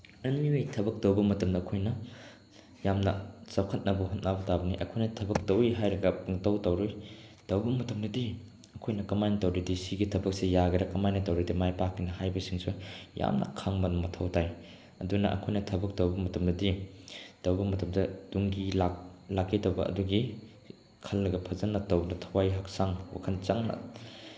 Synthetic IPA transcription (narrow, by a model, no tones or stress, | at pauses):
ɐnliwejtʰɐbɐk̚tɐwbɐmɐtɐmdɐːkʰojnɐ | jamnɐsɐwkʰɐt̚nɐbɐhut̚nabɐtabɐniʔɐkʰojnɐtʰɐbɐk̚tɐwiɦajɾɐɡɐtɐwtɐwɾojd̥ɐwbɐmɐtɐmdɐdi | ɐkʰojnɐkɐmajnɐtɐwɾidisiɡitʰɐbɐk̚sijaɡɐɾɐkɐmajnɐtɐwɾidimajpakːinɐhajbɐsiŋsuja̰mnɐ̰kʰaŋbɐnɐmɐtʰɐwtʰaj | ɐdunɐ̰ʔɐ̰kʰojnɐtʰɐbɐk̚tɐwbɐmɐtʰɐmnɐdid̥ɐwbɐmɐtʰɐm̚dɐduŋɡilaklakːidɐwbɐɐ̰duɡi | kʰɐlːɐɡɐpʰɐzɐnːɐtɐwnɐtʰɐwajɦaksaŋwa̰kʰɐnt͡ʃaŋnɐ̰